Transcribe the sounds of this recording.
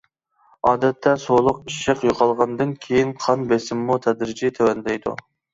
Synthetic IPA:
ɑːd̪ɛt̪ʰːɛsolˠʊqiʃəqjoqʰɑlˠʁɑnd̪ɨnkʲʰejinqʰɑnbesɪmːut̪ʰɛd̪ɾɪd͡ʒɪt̪ʰɛwɛnd̪ɛjd̪ṵ

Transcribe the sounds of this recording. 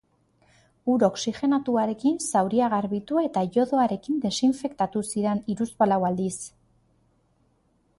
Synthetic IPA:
uɾo̞ksiʝe̞nat̪uaɾe̞kinsawɾiaɣaɾβit̪uet̪aʝo̞ðo̞aɾe̞kind̪e̞siɱfe̞kt̪at̪usiɾe̞niɾuspalawald̪is

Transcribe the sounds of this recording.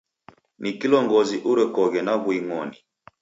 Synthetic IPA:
nikilɔŋɡɔziʔuɾɛkɔɣɛnaɣwiŋɔni

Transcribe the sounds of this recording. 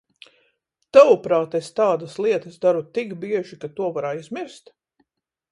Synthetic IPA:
t̪awupɾaːt̪est̪aːd̪ɐslˠiɛt̪ɐsd̪aɾut̪ikbiɛʒikat̪uɔvaɾaajzmiɾst̪

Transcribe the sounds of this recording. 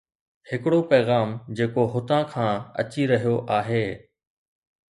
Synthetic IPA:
hɪkɪɽopɛːɣaːmd͡ʑeːkoɦʊt̪ãkʰãːɐ̰t͡ɕiɾɐɦijoʔaːɦeː

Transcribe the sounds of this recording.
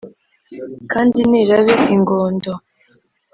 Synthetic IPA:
kaːndiniɾaβeiŋɡoːndo

